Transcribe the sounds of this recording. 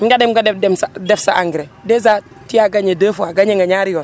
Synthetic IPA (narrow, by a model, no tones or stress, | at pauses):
ŋɡadɛmɡadɛdɛmsadɛfsa̰ʔaŋɡɾedeza | tijaɡaɲedəːfuaɡaɲeŋɡaɲaɾijon